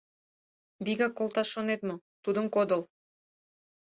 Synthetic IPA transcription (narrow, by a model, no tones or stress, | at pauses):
biɡakolˠt̪ɑʃonet̪mo | t̪ud̪əŋkod̪ŏlˠ